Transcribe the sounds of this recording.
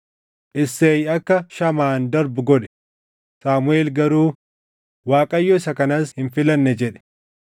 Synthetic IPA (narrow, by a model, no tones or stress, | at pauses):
ʔɪsːeːjɐkːɐʃɐmaːnd̪ɐɾbʊɡɔᶑɛ̥ | saːmʊeːlɡɐɾuː | waːkʼɐjːɔɪsɐkɐnɐshɪnfɪlɐnːɛd͡ʒɛᶑɛ̥